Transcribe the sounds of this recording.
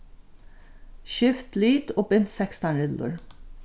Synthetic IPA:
ʃʏft̪lyːd̪oːbʏnt̪sɛkst̪ɑnɾɪd̪l̩ə̰ɹ

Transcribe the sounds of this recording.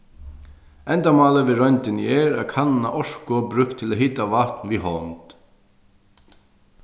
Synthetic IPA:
ɛnt̪amaːləʋɪɾœjnt̪ɪnɛɾakʰanna̰ʔɔʂkʊbɾʏhkt̪ʰːɪlaɦɪt̪avaht̪nviɦɔnt̪

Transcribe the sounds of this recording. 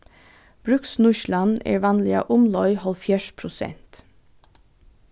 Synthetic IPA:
b̥ɾʉksnʊʃlɑnḛːɹʋɑːnlɪɑ̰ːʔʊmlɔʏhɔlfjæːʃpʰɾʊsɛ̰nt̪

